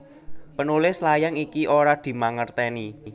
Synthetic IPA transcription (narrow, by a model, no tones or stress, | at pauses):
pənulɪslajaŋikiʔoɾad̪̥i̤maŋərt̪ɛni